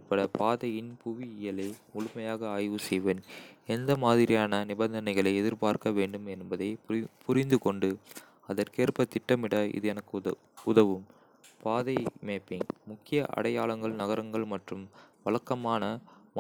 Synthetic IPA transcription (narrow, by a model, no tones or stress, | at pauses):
pɐɽɐpaːðɐjɪnpuʋiɪjɐlɐɪmʊɭʊmɐjaːɣɐaːjʋɯsɛjʋɐnɛnd̪ɐmaːðɪɾɪjaːnɐnɪbɐnd̪ɐnɐɪɣɐɭɐɪɛðɪɾpaːɾkɐʋeːɳɖɯmɛnbɐðɐɪpʰʊɾɪnd̪ɯkɔɳɖɯ | ɐðɐrkeːrpɐt̪ːɪʈːɐmɪɽɐɪ̰ðɯɛnɐkː | ʊðɐʋɯm | paːðɐɪmeːpːɪŋmʊkːɪjɐʔɐ̰ɽɐjaːɭɐŋɡɐɭnɐɣɐɾɐŋɡɐɭmɐʈrɯmʋɐɭɐkːɐmaːnɐm